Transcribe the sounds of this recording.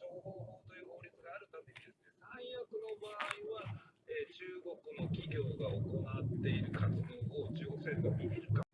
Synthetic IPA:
oːhoːhoːt̪o̞jɯ̟ːho̞ːɾʲit͡sɨɡaːɾɯ̟t̪ame̞ɲid̪e̞sɨne̞sãɰ̃jakɯ̟no̞baːiβaet͡ɕɨːɡo̞kɯ̟no̞kʲiɡʲo̞ːɡaoko̞nat̪ːe̞iɾɯ̟kʰat͡sɨd̪o̞ːoːt͡ɕɨːɡo̞kɯ̟seɾbomʲimʲiɾɯ̟ka

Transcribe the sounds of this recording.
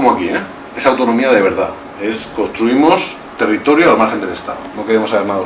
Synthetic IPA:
omoakie | e̞sawt̪o̞no̞miaðe̞βe̞ɾða̰ | e̞sko̞nst̪ɾuimo̞s | t̪e̞rit̪o̞ɾjoalmaɾxe̞nd̪elest̪aðono̞ke̞ɾemosaβe̞ɾnaða

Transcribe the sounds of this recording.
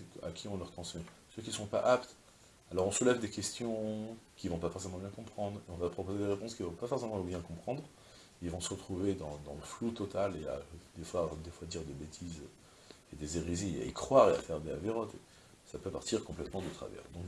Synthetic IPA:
a̰kʲʰiɔ̃lœʁt̪χɑ̃smɛ | søkʲilsɔ̃paʔapt̪ | alɔʁɔ̃səlɛvd̪ekʲɛst̪jɔ̃kʲivɔ̃pafɔʁsemɑ̃bjɛ̃kɔ̃pχɑ̃d̪ʁeɔ̃vapχɔpozed̪eʁepɔ̃skʲivɔ̃pafɔʁsemɑ̃bjɛ̃kɔ̃pχɑ̃d̪ʁ | ilvɔ̃səʁət̪χuved̪ɑ̃d̪ɑ̃ləflut̪ɔt̪alea̰d̪efwad̪efwad̪iʁd̪ebet̪ʰizø | ed̪ezeʁizea̰ekχwaʁea̰fɛʁd̪eaveʁɔt̪ḛ | sapøpaʁt̪iʁkɔ̃plɛt̪mɑ̃d̪ət̪χa̰vɛ̰ʁd̪ɔ̃k

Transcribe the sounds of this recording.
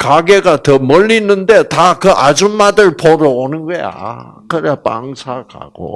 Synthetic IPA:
kaɡeɡatʌmʌʎːinːɯnde̞takɯʔad͡ʑummadɯɭpoɾɯonɯnɡʌja̰ | kɯɾɯapa̰ŋsʰaka̰ɡ̥o̰

